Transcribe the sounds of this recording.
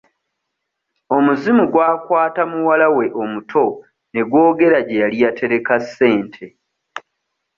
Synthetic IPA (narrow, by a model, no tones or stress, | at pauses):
o̞muzimuɡwaːkwaːtamuwalawe̞ʔo̞mutʰo̞ | ne̞ɡwo̞ːɡe̞ɾaɟejalijatʰe̞ɾe̞kasːe̞ːntʰe̞